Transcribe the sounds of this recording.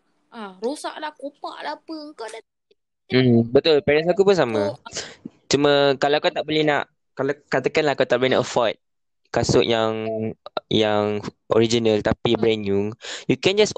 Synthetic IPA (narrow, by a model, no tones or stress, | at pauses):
ʔaɾosa̰ʔlahkopa̰ʔlapəŋkada | m̩bət̪ʊlpɛɾɛns̬akupʊnsamã | t͡ʃumə̃kalawakat̪aʔbolɛhna̰ʔ | kalakat̪akanlahkat̪aʔbolɛna̰ʔəfɔjt̚ | kasʊʔjaŋ | jaŋʔo̰ɾid͡ʒinalt̪apibɾɛnjuŋjukɛ̃nd͡ʒas